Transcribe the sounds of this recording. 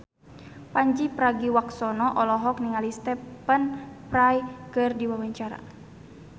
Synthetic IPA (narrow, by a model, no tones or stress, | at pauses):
paɲd͡ʒipɾaɡiwaksɔnɔʔɔlɔɦɔk̚niŋalist̪ɛpənprajkɨrdiwawaɲt͡ʃaɾa̰